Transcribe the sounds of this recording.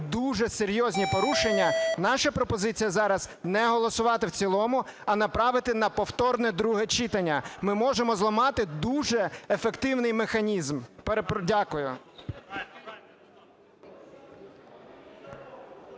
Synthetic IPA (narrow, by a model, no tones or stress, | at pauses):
d̪uʒɛseɾʲjɔzʲnʲipɔɾuʃenʲːɐnɑʃɐpɾɔpɔzɪt͡sʲijɐzɑɾɐznɛɦɔlˠɔsʊʋɑt̪ɪwt͡sʲilˠɔmʊ | ɐnɐpɾɑʋɪt̪ɪnɐpɔwt̪ɔrnɛd̪ɾuɦɛt͡ʃit̪ɐnʲːɐmɪmɔʒemɔzlˠɔmɑt̪ɪd̪uʒɛefekt̪ɪwnɪjmexɐnʲizmpeɾpdʲakʊjʊ